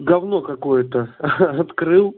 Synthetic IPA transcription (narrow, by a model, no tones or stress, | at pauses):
ɡɐvno̞kɐko̞jət̪əɐt̪kɾɨlˠ